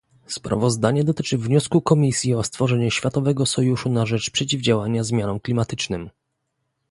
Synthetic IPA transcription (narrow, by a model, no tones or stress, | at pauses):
spɾa̰vɔzd̪aɲɛd̪ɔt̪ɘt͡ʂɘvɲɔskukɔmʲisʲjiɔst̪fɔʐɛɲuɕfʲjat̪ɔvɛɡɔsɔjuʂunaʐɛt͡ʂpʂɛt͡ɕivd͡ʑawaɲazmʲjanɔmklʲimat̪ɘt͡ʂnɘm